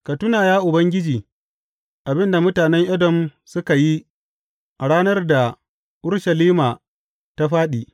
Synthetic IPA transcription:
ka˨tʊ˦naː˨jaː˦ʔʊ˨bɐ˦ŋɡʲɪ˦d͡ʒiː˨ | ʔa˨bɪ˦nda˨mʊ˦taː˨nɛ˦ŋʔɛ˦dɔ˨msʊ˦ka˨ji˦ | ʔa˨ɽaː˦nɐ˦rda˨ | ʔʊ˦ɽʃɐ˨liː˦maː˨ | ta˦ɸaː˦ɗiː˨

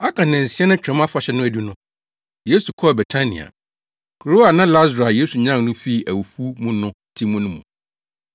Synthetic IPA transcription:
a˦kʰã˨nɛ̃˨n̩˨si˦ɛ˦nʊ̃˦t͡ɕᶣɛ̃˨˦m˦a˦fa˨ɕɛ˦nʊ̃˦æ˨di˦nʊ̃˦ | je˦su˨kʰɔ˦˨bɛ˨tʰa˦nḭ̃˨a̰˨ | kʰu˨ɾo˦a˨nã˦la˦zɾa˨je˨˦su˨ɲã˦˨ŋnʊ̃˦fi˦˨ʔæ˨wu˨fu˦mũ˦nʊ̃˦ | tʰĩ˦mũ˦nʊ̃˦mṵ̃˨

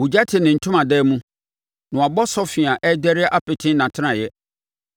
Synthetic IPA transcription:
wu˨d͡ʑa˦tʰɪ˨nɪ̃˨n̩˨tʰʊ̃˦mã˨dɛː˦mũ˦ | nʊ̃˨a˨bɔ˦sɔ˦fɪ˨a˨ʔɛ˦dɛ˦ɾɪ˦ɛ˦ʔa˦pɪ˨tʰɪ̃˦nã˨tʰɪ˦ã˨jɛ˦

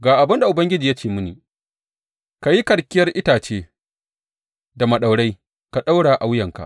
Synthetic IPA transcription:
ɡaː˨ʔa˨bɐ˦nda˨ʔʊ˨bɐ˦ŋɡʲɪ˦d͡ʒiː˨ja˦t͡ʃeː˨mʊ˦niː˨ | ka˨ji˦kɐ˨ɽkʲɪ˦jɐ˦rʔɪ˦taː˨t͡ʃeː˦ | da˨mɐ˨ɗa˨wɽa˦j | ka˨ɗa˦wɽaː˨ʔa˨wjɐ˨ŋka̰˨ʔ

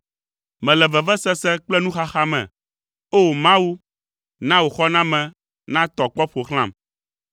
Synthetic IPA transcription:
mɛ̃˨lɛ˨vɛ˨vɛ˦sɛ˦sɛ˦k͡plɛ˦nũ˦xa˦xa˦mɛ̰̃˨ | o˦˨mã˦wu˦ | nã˦wo˨xɔ˦nã˦mɛ̃˨ | nã˦t̪ɔ˨k͡pɔ˦ɸo˨xl̃ã̰˦˨m

